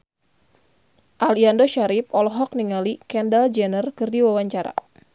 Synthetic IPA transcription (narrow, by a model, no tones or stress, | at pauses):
ʔaliandoʃaɾip̚ɔlɔɦɔk̚niŋalikɛndald͡ʒɛnərkɨrdiwawaɲt͡ʃaɾa̰